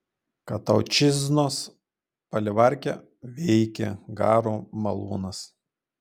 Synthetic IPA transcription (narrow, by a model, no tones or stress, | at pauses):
kɐt̪ɐʊt͡ʃʲɪznoːs | pɐlʲɪʋɐˑɾʲkʲɛ | ʋʲɛɪkʲɛ̰ɡɑːɾoːmɐlˠuːnɐs